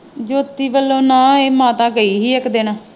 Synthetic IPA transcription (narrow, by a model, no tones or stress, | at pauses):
d͡ʒoːt̪ːiːʋəlːõːnãːeːmãːt̪ãːɡəiːɦiːɛːkd̪eːnãː